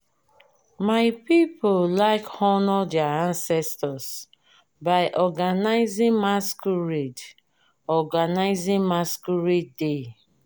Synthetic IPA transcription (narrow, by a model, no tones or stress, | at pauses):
maɪpipʰolaɪkhɔnɔdɛaãnsɛstɔs | baɪʔɔɡanaɪzĩŋmaskuɹed | ɔɡanaɪzĩŋmaskuɹidde